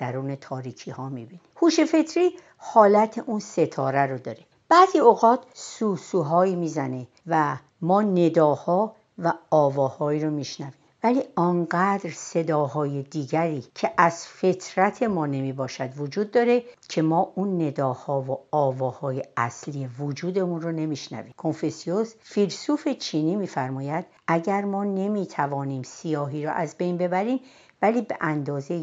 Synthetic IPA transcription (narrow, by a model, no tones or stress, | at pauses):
d̪̥æɾuːne̞t̪ʰɒːɾiːcʰihɒːmibinihuːʃe̞fe̞t̪ʰɾiː | hɒːlæt̪ʰeʔunse̞t̪ʰɒːɾæɾod̪ɒːɾe̞ | b̥æːziːoɣɒːt̪ʰsuːsuːɦɒːiːmiːzæne̞ | væ | mɒːne̞d̪ɒːhɒː | væɒːvɒːhɒːiːɾomiːʃnæviːmmvæliɒnɡæd̪ɾsed̪ɒːɦɒːjed̪iːɟæɾiːcʰe̞ʔæz̥fet̪ʰɾæt̪ʰe̞mɒːne̞miːbɒːʃæd̪vod͡ʒuːd̪ːɒːɾe̞cʰe̞mɒːʔunːe̞d̪ɒːhɒːvoɒːvɒːhɒːje̞ʔæsliːevod͡ʒuːd̪e̞munrone̞miʃnæ̰viːmkʰo̞nfesiosfilsuːfe̞t͡ʃʰiːniːmiːfæɾmɒːjæd̪̥ | ʔæɟæɾmɒːne̞miːt̪ʰævɒːniːmsijɒːɦiːɾɔ̰ʔæzbe̞jnbe̞bæɾiːm | væliːbe̞̰ʔænd̪ɒːze